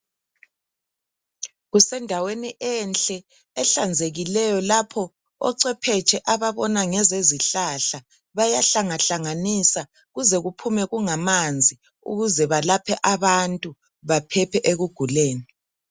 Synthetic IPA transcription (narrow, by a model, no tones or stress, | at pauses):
ɣusɛndʱaweniʔɛnt͡ɬʼɛː | ɬand͡zʱeɣilɛjɔlapʰɔ | ɔ̰ǀɛpʰɛt͡ʃʰʼɛʔaβaβɔnaŋɛzeziɬaɬa | βajaɬaŋaɬaŋanisa | ɣuzɛɣupʰumɛɣuŋamand͡zʱi | ṵɣuzɛβalapʰɛʔaβantʼu | βapʰɛpʰɛʔeɣuɡ̥ʱuleːni